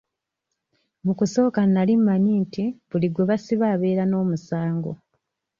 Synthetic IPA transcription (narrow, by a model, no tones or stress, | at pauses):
mukuso̞ːkanːalimːaɲiːntʰiβuliɡweβasiβaːβe̞ːɾano̞ːmusaːŋɡo̰